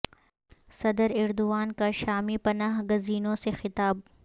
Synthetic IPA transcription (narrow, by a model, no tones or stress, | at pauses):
sɐd̪əɾɪɾd̪ʊʋaːnkaʃaːmipɐnaːɦɡɐziːnõsexɪt̪aːb̚